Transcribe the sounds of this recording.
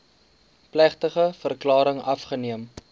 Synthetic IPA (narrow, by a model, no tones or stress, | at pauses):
plæχtəχəfərklɑːɾəŋɐfχəniəm